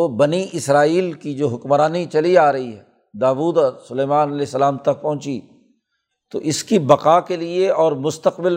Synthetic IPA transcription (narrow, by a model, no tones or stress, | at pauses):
obɐniʔɪsɾaːiːlkid͡ʒoːɦʊkmɾaːnit͡ʃɐliaːɾɐɦiɦɛː | d̪aːʋuːd̪ɔːɾsʊleːmaːnɐlɛːsːəlaːmt̪ɐk̚pɐ̃ɦʊ̃t͡ʃi | t̪o̰ʔɪskibɐqaːkelieɔːɾmʊst̪əqbɪl